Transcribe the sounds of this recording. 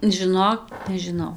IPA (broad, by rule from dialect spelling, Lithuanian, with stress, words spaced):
ʒʲɪˈnoːk nʲɛʒʲɪˈnɐʊ